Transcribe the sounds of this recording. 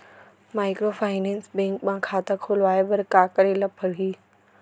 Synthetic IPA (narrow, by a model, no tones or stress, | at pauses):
maːɪkɾofaːɪnɛ̃ːnsbɛ̃ːŋkmãkʰaːt̪akʰolʋaːebɐɾkaːkəɾelɐpʰəɽ̤iː